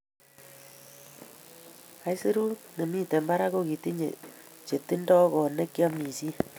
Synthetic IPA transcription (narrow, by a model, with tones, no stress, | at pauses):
a˦i˦se˦ɾu˦ne˨mi˦te˨mba˦ɾa˦ko˦ki˨ti˦ɲḛ˨t͡ʃe˨ti˦ndɔ˦ɣɔ˨ne˦kja˦mi˨si˦